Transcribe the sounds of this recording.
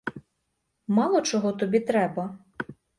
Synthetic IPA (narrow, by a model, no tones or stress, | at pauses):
mɑlˠɔt͡ʃɔɦɔt̪ɔbʲit̪ɾɛbɐ